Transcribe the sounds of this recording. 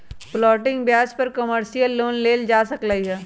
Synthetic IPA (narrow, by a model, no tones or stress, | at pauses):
blɔːʈɪ̃ŋɡbjaːspɐɾkɐməɾʃijəlːoːnleːld͡ʒaːsɐklaiɦɛː